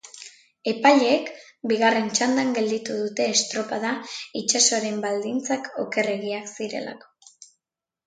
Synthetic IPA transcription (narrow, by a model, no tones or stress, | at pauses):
e̞paʎek | biɣ̞are̞nt͡ʃand̪aŋɡe̞ld̪it̪uðut̪e̞ːst̪ɾo̞paðait͡ʃaso̞ɾe̞mbald̪int͡sako̞̰ke̞re̞ɣiaksiɾe̞̰la̰ko̞̥